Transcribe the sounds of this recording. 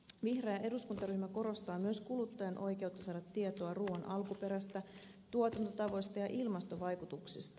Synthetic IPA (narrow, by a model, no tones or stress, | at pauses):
ʋihrɑjɑʔe̞duskunt̪ɑryhmæko̞ɾo̞st̪ɑːmyøskulut̪ːɑjɑnʔo̞jk̟e̞wt̪ːɑsɑːdɑt̪ːiet̪o̞ɑruːɑnʔɑlkupe̞ɾæst̪æ | t̪uot̪ɑnt̪o̞t̪ɑʋo̞jst̪ɑjɑʔilmɑst̪o̞ʋɑjkut̪uksist̪ɑ